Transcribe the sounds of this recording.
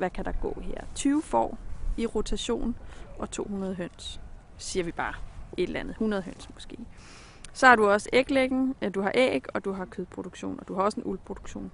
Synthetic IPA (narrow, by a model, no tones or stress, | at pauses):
ʋækʰæd̥ɑ̈ɡ̥ɔ̰̽ːɦeɐ̰t͡sʰyːʊfɒ̰ːiʁot͡sʰæɕo̝̰ːnʔɒ̽t͡sʰo̝̰ːhunɐð̞ˠɦøn̰s | siːɐʋib̥ɑ̈ːe̝d̥lænð̩ˠhunɐð̞̩ˠɦøn̰smɔ̥̽sɡ̥e̝̰ː | sɒ̽hɑ̈ɾuɒ̽səeɡ̥leɡ̥n̩d̥uɦɑ̈ʔɛɡ̥ɒ̽d̥uɦɑ̈kʰøðˠpʰʁo̝ɾ̥oɡ̥ɕo̝̰ːnɒ̽d̥uhɑ̈ɒ̽səenʔulpʰʁo̝d̥u̥ɡ̥ɕo̝̰ːn